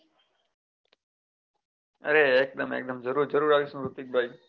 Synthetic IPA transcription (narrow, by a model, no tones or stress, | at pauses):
ə̰ɾeːk̚d̪əmḛːk̚d̪əmd͡ʒəɾuːɾd͡ʒəɾuːɾaːʋisũːɾut̪ik̚bʱaj